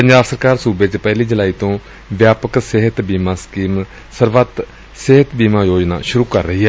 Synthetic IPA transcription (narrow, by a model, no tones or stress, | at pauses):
pəɲd͡ʒaːbsəɾkaːɾsuːbeːt͡ʃpɛːliːd͡ʒɪlaːiːt̪õː | ʋjaːpəksɪɦət̪biːmaːskiːm | səɾʋət̪ | sɪɦət̪biːmaːjoːd͡ʒna̰ːʃʊɾuːkəɾːəɦiːɦɛː